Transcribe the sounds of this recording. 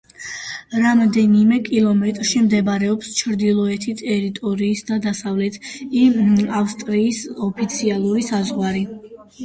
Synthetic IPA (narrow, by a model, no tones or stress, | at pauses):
ɾamd̪ɛnimɛkʼilˠɔmɛt̪ʼɾʃimd̪ɛbaɾɛɔpst͡ʃʰɾd̪ilˠɔɛt̪ʰit̪ʼɛɾit̪ʼɔɾiːsd̪ad̪asavlɛt̪ʰiafst̪ʼɾiːsɔpʰit̪sʰialˠuɾisazʁwaɾi